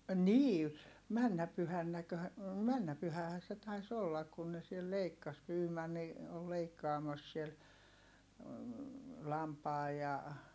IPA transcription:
niː mænːæ pyhænːækø mænːæ pyhæhæː se tɑis olːɑk kun ne siel leikːɑs pyːmɑnːi ol leikːɑːmɑs siel lɑmpɑː jɑ

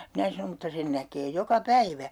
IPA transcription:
minæ sɑnom mutːɑ sen nækeː jokɑ pæiʋæ

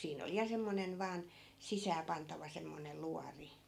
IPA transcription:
siːn oli jɑ semːonen ʋɑːn sisæːpɑntɑʋɑ semːonel luɑri

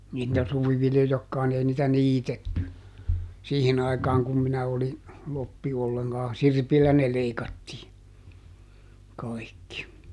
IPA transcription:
niːtˑæ suʋiʋiljojɑkːɑːn ni ei nitæ niːtetːy siːhin ɑikɑːŋ kum minæ oli lopːi olːeŋkɑː sirpilːæ ne leikɑtːiː kɑikːi

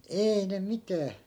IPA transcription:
eːi ne mitæː

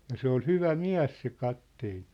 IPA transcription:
jɑ se ol hyʋæ miæ̝s se kɑtːeːn̞

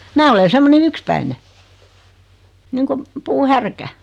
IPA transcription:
mæː ole semːonen ykspæine niːŋkum puːhærkæ

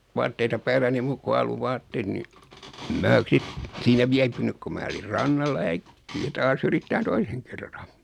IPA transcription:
ʋɑːtːeitɑ pæːlːæni muːk ku ɑluʋɑːtːeːt ni ĕm mæː sit siːnæ ʋiæpynyk ku mæː olir rɑnːɑlːɑ jɑ ækːiæ tɑːs yritːæːn toiseŋ kerːɑn

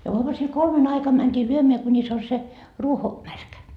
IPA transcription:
jɑ uɑmusil kolmen ɑikɑm mæntʲiː lyømeæ kunʲis on se ruoko mærkæ

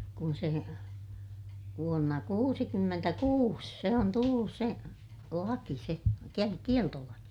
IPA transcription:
kun se ʋuonːɑ kuːsikymːentækuːs se on tulːus se lɑki se ke kieltolɑki

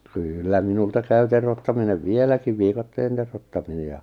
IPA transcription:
kyːlːæ minultɑ kæy terotːɑmineʋ ʋielækiʋ ʋikɑtːeːn terotːɑmine jɑ

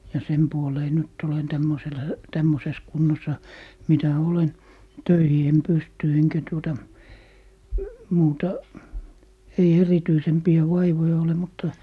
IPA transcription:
jɑ sem puoleː nyt olen tæmːosel tæmːoses kunːosɑ mitæ olen tøihi em pysty eŋkæ tuotɑ muːtɑ ei erityisempiæ ʋɑiʋojɑ ole mutːɑ

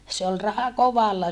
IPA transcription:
se ol rɑhɑ koʋɑlːɑ

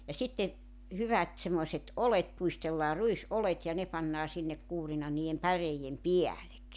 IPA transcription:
jɑ sitːe hyʋæt semːoĭset ʔolet puistelːɑː ruisʔolet jɑ ne pɑnːɑː sinːek kuːrinɑ niːem pæreijem piælek

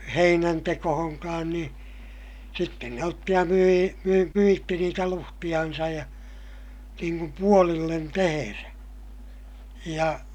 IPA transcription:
heinæntekohoŋkɑːn nĩː sitːen ne otːi jɑ myiː myi myitːi niːtæ luhtij̆ɑnsɑj jɑ niːŋ kum puolilːen teheræ jɑ

